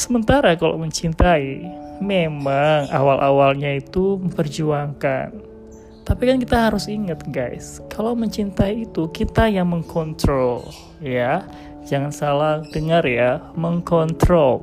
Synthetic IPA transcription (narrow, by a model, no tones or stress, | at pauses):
səmənt̪aɾakala̰wməɲt͡ʃint̪aimemaŋa̰walʔawalɲait̪uməmpərd͡ʒuaŋka̰n | t̪apikankit̪aɦaɾʊsiŋat̪̚ɡajskalawməɲt͡ʃint̪aiːt̪ukit̪ajaŋməŋkʰɔnt̪ɾol | ja | d͡ʒaŋansalahdəŋarjaməŋkɔnt̪ɾol